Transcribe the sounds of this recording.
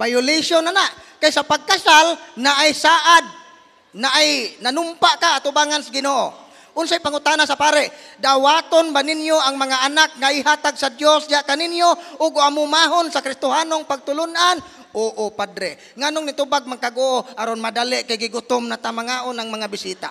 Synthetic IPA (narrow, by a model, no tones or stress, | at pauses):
bajʊlisjonanaʔkajsapaɡ̚kasalnaʔajsaːʔad̪̚ | naʔajnanʊmpaʔkaːt̪ʊbaːŋansaɡɪnoːʔo̰ | ʔʊnsajpaŋʊt̪anasapaːɾɛʔd̪awat̪onbanɪnjoʔaŋmaŋaʔanak̚ŋaʔɪɦaːt̪aɡsad̪josd̪ɪaʔkanɪnjoʔʊɡoamʊmaɦonsakɾɪst̪ʊɦaːnoŋpaɡ̚t̪ʊlʊnʔan | ʔoːʔopad̪ɾɛ | ŋanʊŋnɪt̪ubaɡ̚maŋkaɡʊʔoʔaɾonmad̪alɪʔkajɡɪɡʊt̪omnat̪amaŋaːʔonaŋmaŋabɪsiːt̪a̰